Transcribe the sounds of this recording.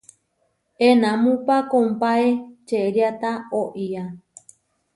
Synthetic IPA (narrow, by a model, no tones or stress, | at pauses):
enãmũpakompaet͡ʃeɾjat̪aoʔia